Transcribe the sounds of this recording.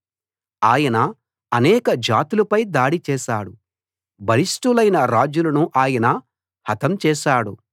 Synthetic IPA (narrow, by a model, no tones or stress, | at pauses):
aːjɐnɐ | ɐnɛːkɐd͡ʒaːt̪ulɐpɐjd̪aːɽit͡ʃɛːʃa̰ːɽṵ | bɐlisʈulɐjnɐɾaːd͡ʒulɐnuʔaːjɐnɐ | hɐt̪ʰɐmt͡ʃɛːʃaːɽu